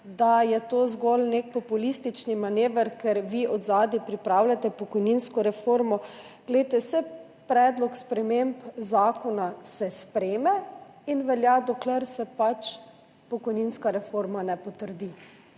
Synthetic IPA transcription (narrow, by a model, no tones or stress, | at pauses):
d̪ajɛt̪oːzɡɔlnekpɔpulist̪it͡ʃnimaneːʋəɾkɛɾʋiɔd̪zaːd̪ipɾipɾaːwlʲjat̪ɛpɔkɔjninskɔɾɛfoɾmɔ | ɡ̥lɛjt̪ɛsɛ | pɾɛːd̪lɔkspɾɛmempzaːkɔnasɛspɾeːmɛinʋɛljad̪ɔklɛɾsɛpat͡ʃ | pɔkɔjninskaɾɛfoɾmanɛpɔt̪əɾd̪i